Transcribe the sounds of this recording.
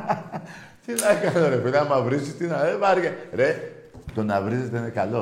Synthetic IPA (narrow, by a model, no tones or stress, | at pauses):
t̪inakanoɾefinamaβɾisit̪inaeβaɾɡeɾe | t̪onaβɾis̬it̪enekalo